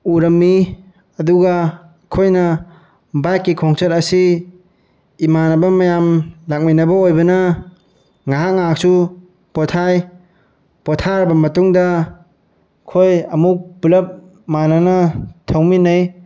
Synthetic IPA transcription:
uɾɐmːi | ɐduɡaː | kʰojnɐ | bajkːikʰɔŋsɐtɐsi | manɐbɐmɐjamlak̚minɐbɐojbɐnɐ | ŋaɦaŋak̚su | pɔtʰaj | pɔtʰaɾbɐmɐtuŋdɐ | kʰojɐmuk̚bulɐp̚ | mananɐtʰawminɐj

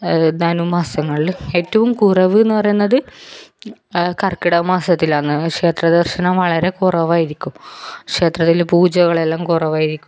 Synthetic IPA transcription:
nanumaːsɐŋːɐɭile̞ːtːɐʋumkurɐʋɨenːɨpɐrɐjunːɐðɨ | kɐrkːiɽɐmaːsɐt̪ːilaːɳːɨkʂe̞ːt̪rɐd̪ɐrʂɐnɐmʋɐɭɐɾe̞kurɐʋaːjiɾikʲːumkʂe̞ːt̪rɐt̪ːilpuːd͡ʑɐɣɐɭe̞lːaːmkurɐʋaːjiɾikʲːum

